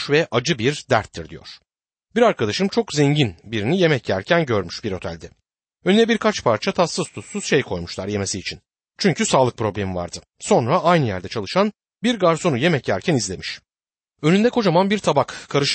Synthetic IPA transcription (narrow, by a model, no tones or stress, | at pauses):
ʃvɛʔad͡ʒɯbiɾd̪æ̰ɾt̪ʰːiɾd̪ijo̰ɾ̥ | biɾaɾkʰad̪aʃɯmt͡ʃʰo̞kzɛɲɟinbiɾinije̞mɛcjæɾcʰænɟøɾmy̥ʃbiɾo̞t̪ʰɛ̰lʲd̪ɛ | ønynɛbiɾkʰat͡ʃpʰaɾt͡ʃʰat̪ʰasːɯz̥t̪ʰut̪suz̥ʃe̞jkʰo̞jmuʃlˠaɾje̞me̞siːt͡ʃʰin | t͡ʃʰyɲcʰysaːlˠɯk̚pʰɾo̞blʲemiva̰ɾd̪ɯ | so̞nɾaʔajnɯjæ̰ɾd̪ɛt͡ʃʰalˠɯʃan | biɾɡaɾso̞nuje̞mɛcjæɾcʰænizlʲe̞miʃ | ø̞nynd̪ɛkʰo̞d͡ʒamanbiɾt̪ʰabakkʰːaɾɯʃ